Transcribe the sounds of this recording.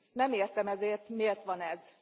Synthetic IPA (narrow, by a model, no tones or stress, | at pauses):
nɛmeːrt̪ɛmɛzeːrt̪meːrt̪ʋɒnɛz